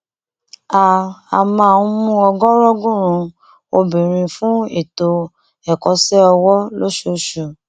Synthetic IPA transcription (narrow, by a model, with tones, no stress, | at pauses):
a˨a˨mãː˦˨ũ˦mũ˦ɔ˧ɡɔ˦ɾɔ˦ɡũ˦˨ɾ̃ũ˨˧ | o˧bĩ˨ɾ̃ĩ˧fũ˦ḛ˨to˧ | ɛ˨kɔ˧sɛ˦ɔ˧wɔ˦lo˦ʃo˦ʃu˨